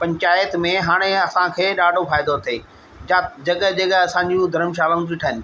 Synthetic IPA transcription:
pɐ̃ɲt͡ɕaːjət̪mẽɦaːɽ̃eɐsãkʰeːɗaːɖʱofaːɪd̪ot̪ʰeː | ad͡ʑɐɡəɦd͡ʑɐɡəɐsãɲd͡ʑũd̪ʱɐɾəmʃ̬aːlaũd͡ʑiʈʰaɦɪnɪ̆

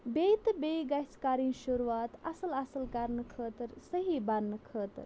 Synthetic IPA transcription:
beːt̪beːɡɐskaːɾĩːʃuɾuaːt̪ɐsəlɐsəlkɐɾnɨkʰəːt̪əɾsɐɦiːbɐnnɨkʰəːt̪ə̰ɾ

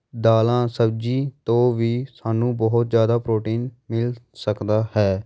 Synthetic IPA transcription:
d̪aːlãːsəbd͡ʒiːt̪õːʋiːsaːnũːbɔɦʊt̪zjaːd̪aːpɾoːʈiːnmɪlsəkd̪aːhɛː

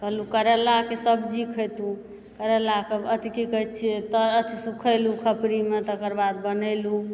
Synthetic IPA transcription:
kəɦlukəɾəlakesəbd͡ʒikʰət̪ũ | kəɾəlakəbət̪ikikət͡ʃʰiɛt̪əːt̪ʰisukʰəjlukʰəpɾimet̪əkəɾbad̪̚bənəlu

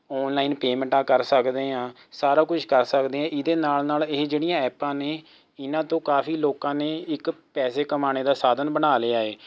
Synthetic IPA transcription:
ɔːnlaːiːnpeːmə̃ɳʈãːkəɾsəkd̪eːãː | saːɾaːkʊt͡ʃʰkəɾsəkd̪eːɦãːʔɪd̪eːnaːlnaːleːd͡ʒeːɽijãːɛːpãːneː | ɪnãːt̪õːkaːfiːloːkãːneːɪkpɛːseːkəmaːñeːd̪aːsaːd̪ənbənaːleːaːeː

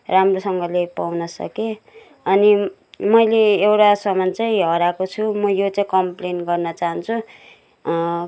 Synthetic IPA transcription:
ramrosʌŋɡʌlepawnʌsʌ̰ke | ʌni | mʌjleewʈasʌmʌnt͡saĩɦʌɾakot͡sʰumʌjot͡saĩkʌmplenɡʌrnʌt͡saɦʌnt͡sʰu

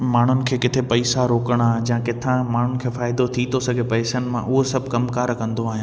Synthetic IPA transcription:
maːɳ̤ʊnɪ̆kʰeːkɪt̪ʰepɐɪsaɾoːkəɽ̃ad͡ʑãkɪt̪ʰãmaːɳ̤ʊnɪ̆kʰeːfaːɪd̪ot̪ʰit̪ʰosɐɡʱepɐɪsənɪ̆mãʔʊɦosɐbʱkɐmkaːɾkɐ̃nd̪oaːɦij̃

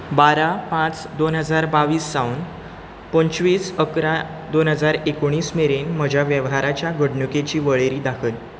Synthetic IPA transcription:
baɾapãt͡sd̪onɦəd͡zaɾbaʋiːsːaun | pəɲt͡ɕʋiːsəkɾa | d̪onɦəd͡zaɾekoɽ̃iːsmeɾenməd͡ʑʱjaʋjəʋɦaɾat͡ɕjaɡəɽɳuket͡ɕiːʋəɭeɾiːd̪akʰən

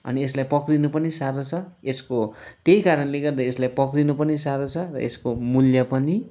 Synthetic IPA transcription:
ʌ̰nieslajpʌkrinupʌnisaɾot͡sʰʌ | eskot̪ejkaɾʌnleɡʌrd̪aeslajpʌkrinupʌnisaɾot͡sʰʌrʌ̰ḛskomuljʌpʌni

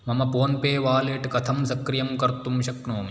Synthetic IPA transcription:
mɐmɐpoːnpeːʋaːleːʈkɐt̪ʰɐmsɐkɾijɐmkɐɾt̪umʃɐknoːmi

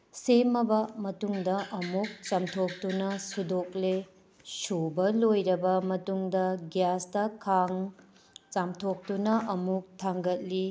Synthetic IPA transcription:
semɐbɐmɐtuŋdɐʔɐmuk̚t͡ʃɐmtʰok̚tunɐsudok̚le | subɐlojɾɐbɐmɐtuŋdɐɡjastɐkʰaŋ | t͡ʃamtʰok̚tunɐʔɐmuk̚tʰaŋɡɐt̚li

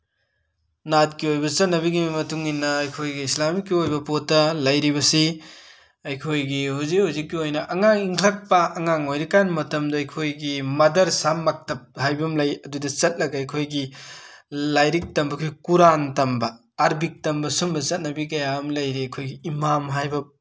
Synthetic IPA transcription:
nat̚kiojbɐt͡ʃɐt̚nɐbiɡimɐtuŋinːɐɐjkʰojɡiislamikːiojbɐpotːɐlɐjɾibɐsi | ɐjkʰojɡihuzihuzikːiojnɐʔɐŋaŋiŋkʰlɐk̚pɐːŋaŋojɾikanmɐtɐmdɐɐjkʰojɡimɐdɐɾsamːak̚tɐp̚hajbɐmlɐjɐdudɐt͡ʃɐt̚lɐɡɐɐjkʰojɡi | lajɾik̚tɐmbɐkʰojkuɾantɐmbɐː | ɾbik̚tɐmbɐsumbɐt͡ʃɐt̚nɐbikɐjaɐmlɐjɾiɐjkʰojɡiːmamɦajbɐ

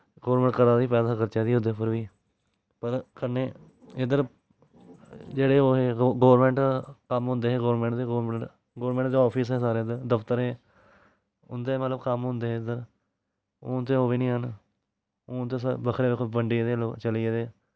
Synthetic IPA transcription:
ɡoːɾmɛ̃ːɳʈkəɾaːd̪iːpɛːd̪aːkəɾt͡ʃaːd̪iːɦʊd̪eːpəɾʋiː | pəɾkəneː | ɪd̪əɾ | d͡ʒeːɽeːoːɦeːɡoːɾmẽːɳʈkəmɦʊ̃nd̪eːɛːɡoːɾmẽːɳʈd̪eːɡoːɾmẽɳʈ | ɡoːɾmẽːɳʈd̪eːɔːpʰisɦɛːsaːɾeːd̪ed̪əft̪əɾɛː | ʊnd̪eːmət̪ləbkəmɦʊ̃nd̪eːɦeːd̪əɾ | oːnt̪ːẽːɦoːʋeːnĩːɦən | oːt̪eːsbəkʰɾeːʋɪkʰːbəɳɖiːd̪eːloːt͡ʃəliːed̪eː

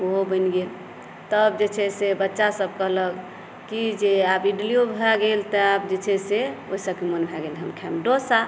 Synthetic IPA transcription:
oɦobənɡel | t̪əbd͡ʒet͡ʃʰɛsebətːʃasəbkəɦlək | kid͡ʒeapiɖliobʱɛɡelt̪əapd͡ʒet͡ʃʰɛseoɦisəb̚kemənbʱɛɡelɦəmkʰɛmɖosa

